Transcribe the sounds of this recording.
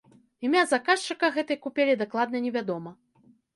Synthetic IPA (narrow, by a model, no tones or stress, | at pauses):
imʲazakaʂt͡ʂɨkɐɣɛt̪ɨjkupʲelʲid̪aklˠad̪̚nɐnʲɛvʲad̪ɔmɐ